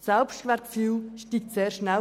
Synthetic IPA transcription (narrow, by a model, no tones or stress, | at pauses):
sɛlpʃtkʋɛɾkfyːlʃtiːk̚tseːɾʃnɛl